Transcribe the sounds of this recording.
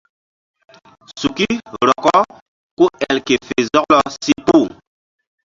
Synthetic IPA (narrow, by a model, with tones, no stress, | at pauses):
su˨ki˦ɾɔ˨kɔ˦ | ku˦ɛ˨lke˨fe˨zɔ˦klɔ˨si˦pu˦˨